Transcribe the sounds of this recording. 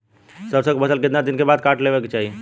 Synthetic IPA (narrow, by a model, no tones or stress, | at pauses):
səbsəɡbəsəlket̪nad̪inkebad̪̚kaʈlebɛket͡ʃaɦi